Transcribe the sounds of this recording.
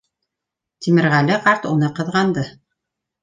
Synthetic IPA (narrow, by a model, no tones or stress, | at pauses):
t̪imɘ̆ɾʁælɘqɑɾt̪unɤqɤ̆ðʁɑnd̪ɤ